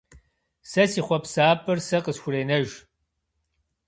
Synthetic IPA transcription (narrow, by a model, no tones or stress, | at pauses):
sɐsiːχʷɔpsaːpʰʼɨrsɐqəsxʷʊreːnɐʒ